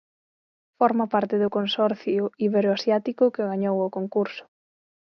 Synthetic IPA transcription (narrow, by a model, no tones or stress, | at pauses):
fɔɾmapaɾt̪ɪðʊkonsɔɾθjʊiβeɾoasjat̪ikʊkɪɣaɲowʊkoŋkuɾsʊ̥